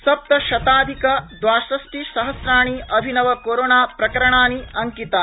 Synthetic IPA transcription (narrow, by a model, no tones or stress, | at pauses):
sɐp̚t̪ɐʃɐt̪aːd̪ʱikɐd̪ʋaːʃɾɐsʈiʃɐɦɐsɾaːɳ̃iɐbʱinɐʋɐkoːɾoːnaːpɾɐkɐɾɐɳaːniɐŋkit̪a